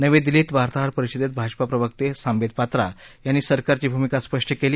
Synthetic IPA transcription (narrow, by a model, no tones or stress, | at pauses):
nəʋed̪iliːt̪ʋaɾt̪aɦaɾpəɾiɕid̪et̪̚bʱad͡ʑpapɾəʋəkt̪esãmbed̪̚pat̪ɾajanːiːsəɾkaɾt͡ɕiːbʱumikaspəʂʈʰəkeliː